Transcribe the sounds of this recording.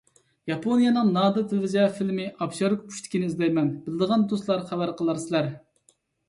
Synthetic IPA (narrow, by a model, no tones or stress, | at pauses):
jɑpʰonijɑnɨŋnɑːd̪ɨt̪ʰɪlvɪzjɑfilmɪʔɑbʃɑɾkʲpʰu̥ʃt̪ʰɪ̥kʲinɪizd̪ɛjmɛnbɪlɪd̪əʁɑnd̪oslˠɑɾχævæɾqəlˠɑɾsɪlæɾ